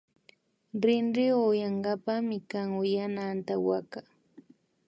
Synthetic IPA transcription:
ɾɪnɾɪojaɴɡapamɪkaŋʊjanant̪awaka

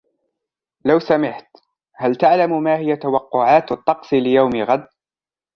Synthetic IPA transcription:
lawsamɪħt̪ | halt̪aʕlammaːhɪjat̪awɑqːʊʕaːt̪t̪ˤːɑqsˤilɪjawmɪɣad̪̚

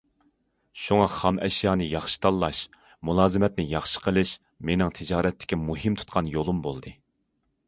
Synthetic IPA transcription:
ʃuŋɑχɑmʔɛʃjɑːnɨjɑχʃi̥t̪ʰɑlˠːɑʃ | mulˠɑːzɨmɛt̪nɪjɑχʃə̥qʰəlˠɨʃ | menɪŋt̪ʰɪd͡ʒɑːɾɛt̪ʰːɪ̥kʲimuɦɨmt̪ʰu̥t̪qʰɑnjolˠumbolˠd̪ɨ

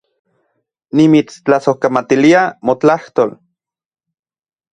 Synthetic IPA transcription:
nimit͡st͡ɬasohkamat̪iliamot͡ɬaht̪ol

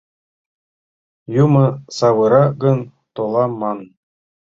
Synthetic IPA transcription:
jumɤ̆sɑβɤ̆ɾɑɡɤ̆n | t̪olˠɑmɑn

